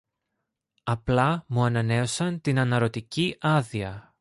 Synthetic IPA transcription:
ɐplɐmuɐnɐne̞o̞sɐnt̪inɐnɐɾo̞t̪iciʔɐðiɐ

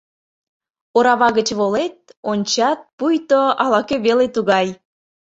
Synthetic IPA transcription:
oɾɑβɑɣət͡ɕβolet̪̚onʲt͡ɕɑt̪̚pujt̪oɑlɑkøβelet̪uɣɑj

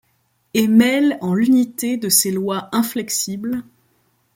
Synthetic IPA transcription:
emɛlɑ̃lynit̪ed̪əselwaɛ̃flɛksibl

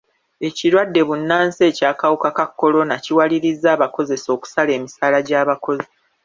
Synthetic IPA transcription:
e̞ciɾwadːe̞βunːaːnse̞ːcaːkawukakakːo̞lo̞naciwaliɾizːaːβako̞ze̞so̞ːku̥sale̞ːmisaːlaɟaːβako̞zi

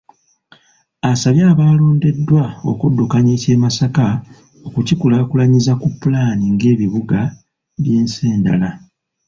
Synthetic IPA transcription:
asaβjaːβaːlo̞ːnde̞dːwao̞̰kudːukaɲeːce̞ːmasaka | o̞kucikulakulaɲizakupːulaːniŋɡe̞ːβiβuɡa | βje̞ːnse̞ːnda̰la

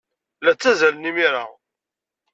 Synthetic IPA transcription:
læt͡sːæzælənimiɾa̰

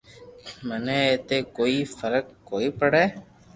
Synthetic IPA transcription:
məneeːt̪eːkoːifəɾəkːoːiːpəɽɛː

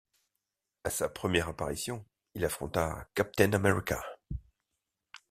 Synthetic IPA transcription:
asapχəmjɛʁapaʁisjɔ̃ | ilafχɔ̰̃t̪a̰kap̚t̪ɛnamɛʁika̰

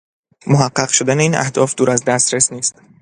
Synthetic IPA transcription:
moɦæɢːæɣʃod̪æneiːnʔæ̰hd̪̥ɒːfd̪uːɾæzd̪æst̪ɾesniːst̪

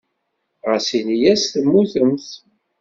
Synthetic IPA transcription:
ʁəsinijæsθəmːuθəmθ

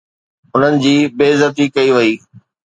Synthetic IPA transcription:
ʊn̤ənɪ̆d͡ʑiːbeːzɐt̪ikɐiʋɐiː

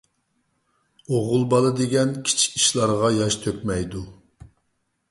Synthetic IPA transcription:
oʁʊlˠbɑlˠɨd̪eɡʲɛnkʲʰi̥t͡ʃʰi̥kʲiʃlˠɑɾʁɑjɑʃt̪ʰøkʲmɛjd̪u

